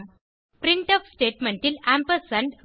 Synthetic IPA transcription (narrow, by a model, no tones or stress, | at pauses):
pɾɪ̃ɳʈɔːfsʈeːʈmẽɳʈɪlæ̃mpəɾsɐ̃ɳɖ